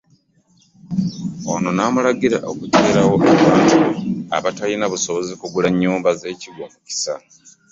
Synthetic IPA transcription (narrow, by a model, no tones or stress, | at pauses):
ono̞naːmulaɡiɾa̰ʔo̞kute̞ːɾawo̞ʔaβaːntua̰βatalinaβuso̞βo̞zikuɡulaɲːuːmbaze̞ːciɡomuci̥sa̰